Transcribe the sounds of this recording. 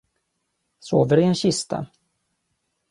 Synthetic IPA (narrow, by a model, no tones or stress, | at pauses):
soːvəɾɪɛnɕɪst̪ʰa̰